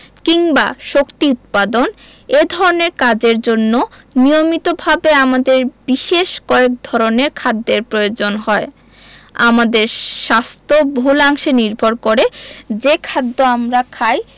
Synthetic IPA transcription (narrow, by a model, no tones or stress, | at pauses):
kiŋba̰ʃokt̪iut̪̚pad̪on | ed̪ʱɔɾoneɾkad͡ʑeɾd͡ʑonːonijomit̪obʱabeamad̪eɾbiʃeʃkɔek̚d̪ʱɔɾoneɾkʰad̪ːeɾpɾojod͡ʑonɦɔe | a̰mad̪eɾʃast̪ʰobʱulaŋʃeniɾbʱoɾkoɾed͡ʑekʰad̪ːoamɾakʰaj